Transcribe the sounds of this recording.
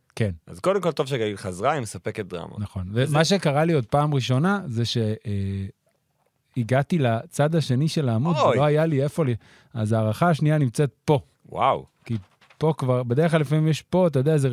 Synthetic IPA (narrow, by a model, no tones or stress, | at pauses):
kenazkod̪emko̞lt̪o̞vʃ̬eɡalilχazʁaimesapeket̚d̪ʁa̰ma̰naχo̞nvemaʃ̬ekaʁalio̞d̪̚paːmʁiʃo̞naze̞ʃe̞e | iɡatilat͡sad̪aʃe̞niʃe̞laːmudlo̞ajaliefo̞li | a̰zaːʁaχaːʃnianimt͡set̪̚po̞ | wa̰wki | po̞kvaʁbede̞eχlalefamimjeʃpo̞t̪̬ajodeaeze